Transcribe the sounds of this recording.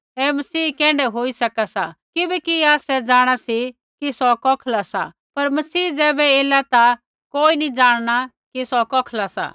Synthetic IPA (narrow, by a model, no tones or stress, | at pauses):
ɛːmɐsiːkɛ̃ːɳɖɛɦoːisɐkasakɪbɛkiaːsɛd͡zaːɽ̃asi | kisɔkɔːkʰlasa̰ | pɐɾmɐsiːd͡zɛːbɛeːlat̪a | koːinid͡zaːɽ̃ɽ̃a | kisɔkɔːkʰlasa̰ː